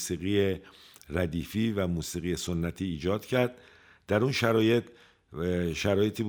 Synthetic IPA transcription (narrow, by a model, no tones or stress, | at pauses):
siːɣijeræd̪iːfiːvæmuːsiːɣijeso̞nːæt̪ʰiːd͡ʒɒːd̪̥cʰæɾd̪̚ | d̪æɾunʃæɾɒːjet̪ | ʃæɾɒːje̞t̪ʰiːb